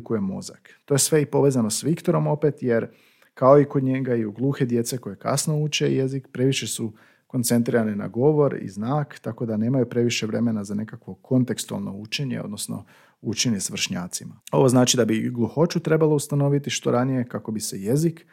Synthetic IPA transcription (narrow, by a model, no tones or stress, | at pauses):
kujemo̞̰za̰k | t̪o̞jesʋe̞ipo̞ʋezano̞sʋikt̪o̞ɾo̞mo̞pet̪je̞ɾ | kao̞ikod̪ɲe̞ɡaiuɡlˠuːxe̞d̪jet̪se̞ko̞je̞ka̰sno̞ut͡ʃe̞̰jezikpɾe̞ʋiʃesu | ko̞nt̪sent̪̬ɾiɾanina̰ɡo̞ʋo̞ɾḭznaːkt̪ako̞d̪ane̞ːmajupɾe̞ʋiʃe̞ʋɾe̞me̞nazane̞kakʋo̞kʰo̞nt̪e̞kst̪ua̰lˠno̞̰ut͡ʃe̞ɲe̞̰o̞d̪nosno̞̰ | ut͡ʃeɲe̞sʋr̩ʃɲaːt̪simao̞̰ʋo̞znaːt͡ʃid̪abiɡlˠuxot͡ʃut̪ɾe̞balˠoust̪ano̞ʋit̪iʃt̪o̞ɾanije̞kako̞bise̞jezik